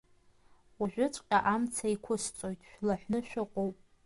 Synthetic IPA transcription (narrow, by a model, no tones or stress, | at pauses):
waʒᶣʷʊt͡ʃʷʼqʲʼaʔamt͡sʰaikʷʰʊst͡sʷʼo̞jtʼʃᶣlaħʷᶣnɨʃᶣʊqʼowpʼ